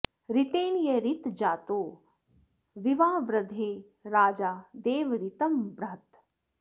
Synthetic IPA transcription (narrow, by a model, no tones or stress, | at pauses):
ɾɪt̪eːnjeɾɪt̪d͡ʒaːt̪oː | ʋiʋaːʋɾəd̪ʱeː | ɾaːd͡ʒaːd̪eːʋɾɪt̪ɐmbɾɐɦt̪